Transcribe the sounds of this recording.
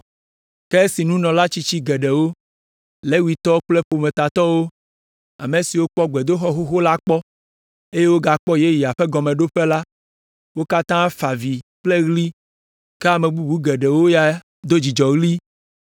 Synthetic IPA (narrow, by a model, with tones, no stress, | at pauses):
kɛ˦si˨nũ˦nɔ̃˨la˦t͡ɕi˦t͡ɕi˦ɡɛ˨ɖɛ˨wo˦ | le˦wi˨t̪ɔ˦k͡plɛ˦ɸo˨mẽ˨t̪a˨t̪ɔ˦wo˦ | a̰˨me˨si˨wo˦k͡pɔ˦ɡ͡bɛ˨d̪o˦xɔ˦xo˦xo˦la˦k͡pɔ˦ | e˦je˦wo˦ɡa˨k͡pɔ˦je˦ji˨a˨ɸɛ˦ɡɔ˨mẽ˨ɖo˦ɸe˦la˦ | wo˦ka˦t̪ã˦fa˨vi˨k͡plɛ˦ɣli˦ | ke˦a˨mẽ˨bu˦bu˦ɡɛ˨ɖɛ˨wo˦ja˨ | d̪o˦d͡ʑi˨d͡ʒɔ˨ɣli˦